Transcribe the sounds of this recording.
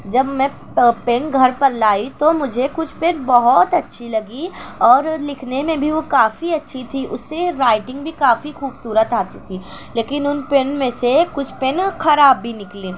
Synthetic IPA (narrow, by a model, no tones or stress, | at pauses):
d͡ʒɐbmɛ̃ː | penɡʱɐɾpɐɾlaːit̪omʊd͡ʒʱekʊt͡ʃʰpẽnbɐɦɔt̪ɐtːʃʰilɐɡiɔːɾlɪkʰnemẽbʱiʋokaːfiɐtːʃʰit̪ʰiʔʊ̰sːeɾaːɪʈɪ̃ŋɡbʱikaːfixuːbsuːɾət̪aːt̪it̪ʰiː | leːkɪnʊnpenmẽsekʊt͡ʃʰpenxɐɾaːbːʱinɪkleː